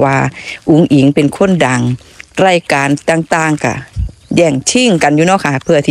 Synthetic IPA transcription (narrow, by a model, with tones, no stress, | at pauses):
waː˧ʔu˨˦ŋʔi˨˦ŋpe˨nkʰo˧˥˨nda˨˩ŋ | ɾaː˧˩jkaː˨nt̪aː˧ŋt̪aː˧˩ŋka̰˧˩jɛː˧˩ŋt͡ɕʰi˧˩˨ŋka˨njuː˧nɔː˧˥˨kʰa˧˩pʰɯ˧˩ɐt̪ʰiː˧